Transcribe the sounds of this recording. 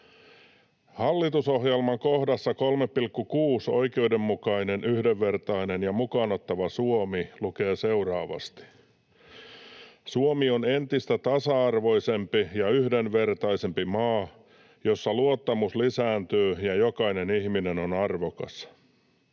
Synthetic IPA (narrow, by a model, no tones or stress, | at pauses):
hɑlːit̪uso̞ɦjelmɑŋko̞hdɑsːɑkolmeppilkːukuːso̞̰jkeude̞mːukɑinenyhdeʋːert̪ɑinenjɑmukɑːnot̪ːɑʋɑsuomiluke̞ːse̞urɑːʋɑ̰st̪i̥ | suomione̞nt̪ist̪æt̪ɑsɑɑrʋo̞isempijɑyhdenʋe̞rt̪ɑise̞mpimɑː | jo̞sːɑluot̪ːɑmuslisæːnt̪yːjɑjokɑinenihminenonɑrʋokɑ̰s